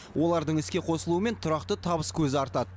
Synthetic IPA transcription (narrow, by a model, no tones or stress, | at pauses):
wʔo̞lˠɑɾd̪əɴɪskʲe̞qʰo̞səlˠuəme̞nt̪ʰʊɾɑqt̪ət̪ʰɑbəskʲʰɵzɪɑɾt̪ɑd̪ə